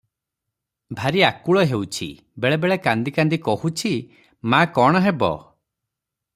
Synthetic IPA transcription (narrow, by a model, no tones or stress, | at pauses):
bʱaɾiakuɭɔɦewt͡ʃʰḭ | beɭebeɭekand̪ikand̪ikɔhut͡ʃʰi | makɔɽ̃ɔɦebɔ̰